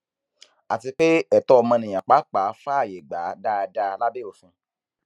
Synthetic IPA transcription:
a˨ti˧k͡pe˦ɛ˦˨tɔ˦ɔ˧mɔ̃˧nĩ˨j̃ã˨k͡pa˨˦k͡pa˨˦fa˦a˦˨je˨ɡ͡ba˨˦da˦˧da˦˧la˦be˦o˦˨fĩ˧˦

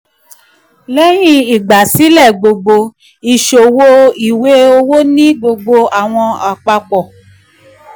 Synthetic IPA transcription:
lɛ˦j̃ĩ˦˨i˨ɡ͡ba˨si˨˦lɛ˦˨ɡ͡bo˧ɡ͡bo˧ | i˨ʃo˨wo˦i˨we˨˦o˧wo˦nĩ˦ɡ͡bo˧ɡ͡bo˧a˨w̃ɔ̃˧a˨k͡pa˧k͡pɔ˨

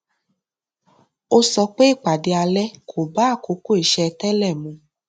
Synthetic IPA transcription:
o˦sɔ˧k͡pe˦i˦˨k͡pa˨de˧a˧lɛ˦kʰo˨ba˦˨ko˧˦ko˦i˨ʃɛ˧tɛ˦lɛ˦˨mũ˨˧

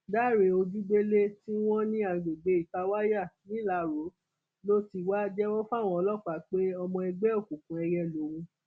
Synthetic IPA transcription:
da˦˨ɾe˧˦o˧d͡ʒu˦ɡ͡be˦le˦ti˦w̃ɔ̃˦nĩ˦a˨ɡ͡be˨ɡ͡be˨˦i˨ta˨˧wa˦ja˦˨nĩ˨˦la˨ɾo˨˦ | lo˦ti˧wa˦d͡ʒɛ˦wɔ˦fa˦˨w̃ɔ̃˧ɔ˧lɔ˦k͡pa˨k͡pe˦ɔ˧mɔ̃˧ɛ˧ɡ͡bɛ˦o˦˨kũ˨kũ˨˦ɛ˧jɛ˧lo˨˦wũ˧

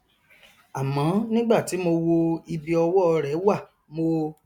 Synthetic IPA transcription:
a˨mɔ̃˨˦nĩ˦ɡ͡ba˦˨ti˨˦mo˧wo˧i˧bi˧ɔ˧wɔ˦˧ɾɛ˨˦wa˦˨ | mo˧

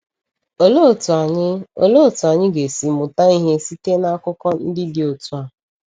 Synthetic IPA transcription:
o˦lo˦˨tu˨a˨ɲɪ˦o̰˦lo˦o˨tu˨a˨ɲɪ˦ɡe˨si˨mʊ˨ta˦i˦ɦe˦si˦te˦na˦kʊ˦kɔ˦n̩˦dɪ˦dɪ˨˦o˨tu˦a˨

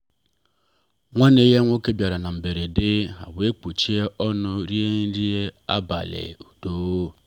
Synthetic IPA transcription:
ŋʷa˦ne˦je˦ŋʷo˦ke˦bja˨ɾa˨na˨m̩˨be˨ɾe˨dɪ˦a̰˨we˦k͡po˨t͡ʃi˦e˦ʔɔ˦nʊ˦ɾi˦e˦ɲ˦ɾi˦e˦a̰˦ba̰˨lḛ˨u˨do˨o˦

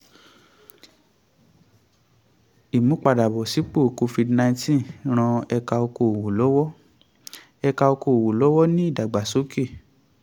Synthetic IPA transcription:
i˨mũ˦k͡pa˨da˨bɔ˨si˨˦k͡po˦˨ko˧fi˧dnã˧ĩ˦tĩ˦˨ɾ̃ɔ̃˧ɛ˧ka˧o˧ko˧˨o˨wo˨lɔ˨˦wɔ˦ | ɛ˧ka˧o˧ko˧˨o˨wo˨lɔ˨˦wɔ˦nĩ˦i˦˨da˨ɡ͡ba˨so˨˦ke˦˨

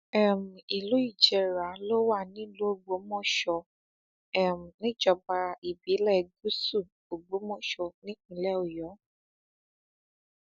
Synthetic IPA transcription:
ɛ˦˨m̩˨i˨lo˨˦i˦˨d͡ʒɛ˧ɾa˨˦lo˦wa˦˨nĩ˦lo˦o˦˨ɡ͡bo˨˦mɔ̃˦˨ʃɔ˧ | ɛ˦m̩˨nĩ˦d͡ʒɔ˨ba˧i˨bi˨˦lɛ˦˨ɡu˦su˦˨ | o˨ɡ͡bo˨˦mɔ̃˦˨ʃɔ˧nĩ˦k͡pũ˧˦lɛ˦o˨jɔ˨˦

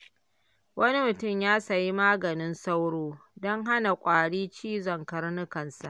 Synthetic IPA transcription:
wɐ˦ni˦mʊ˨tʊ˦˨mjaː˦sɐ˨ji˦maː˦ɡɐ˨nɪ˦nsa˦wɽoː˦dɔ˦ŋɦa˦na˨kʷʼaː˨ɽiː˦t͡ʃiː˦zɐ˨ŋkɐ˨rnʊ˦kɐ˨nsa˨ʔ

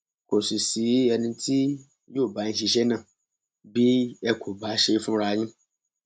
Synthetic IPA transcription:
kʰo˨su˨si˨˦ɛ˨nĩ˨˧tʰi˦ | jo˦˨ba˨ɲĩ˨ʃi˧ʃɛ˦nã˦˨ | bi˦ɛ˦kʰo˨ba˨˦ʃe˦fũ˦ɾa˨˦ɲĩ˦

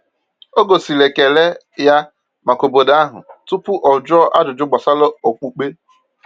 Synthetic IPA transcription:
o˦ɡo˨si˨le˨ke˨le˦ | ja˦ | ma˨ko˨bo˨da˦ɦʊ̰˨tʊ˦pʊ˦ʔɔ˨d͡ʒɔ˦ʔa˦dʊ˨d͡ʒʊ˦ɡ͡bɔ˨sa˦lɔ˦o˨k͡pu˨k͡pe˦

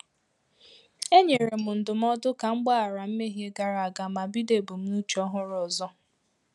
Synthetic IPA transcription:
e˦ɲe˨ɾe˨mʊ˨n̩˨dʊ˨m̩˦ɔ˦dʊ˦ka˨ŋ͡m̩˦ɡ͡ba˦a˨ɾa˨m̩˦me˦ɦje˦ɡa˨ɾa˨a˨ɡa˨ma˨bi˦de˨bu˨m̩˦nu˦t͡ʃɔ˦ɦʊ˦ɾɔ˨zɔ˦

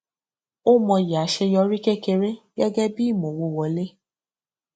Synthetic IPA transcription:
o˦mɔ̃˧ja˨˦ʃɛ˧jɔ˧˦ɾi˦ke˦ke˧ɾe˦ɡɛ˦ɡɛ˦bi˦˨mõ˨wo˧wɔ˨˦le˦

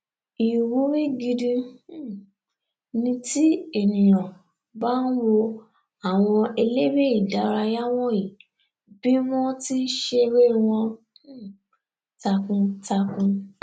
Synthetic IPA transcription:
i˨wo˨˦ɾi˦ɡi˧di˧˦˨ | nĩ˧ti˦e˨nĩ˨nã˨ | ba˦n̩˦wo˧ | a˨w̃ɔ̃˧e˧le˦ɾe˦i˦˨da˨˦ɾa˧ja˦w̃ɔ̃˦ji˨ | bi˦w̃ɔ̃˦ti˦n̩˦ʃe˧ɾe˦˧w̃ɔ̃˧˦˨ | ta˧kũ˧ta˧kũ˧

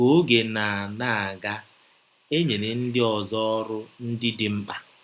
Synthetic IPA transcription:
o˦ɡe˨na˨a˨na˨a˨ɡa˦ | e˦ɲe˨ne˨n̩˦dɪ˦ɔ˨zɔ˦ɔ˦ɾʊ˦n̩˦dɪ˦dɪ˨m̩˦k͡pa˦

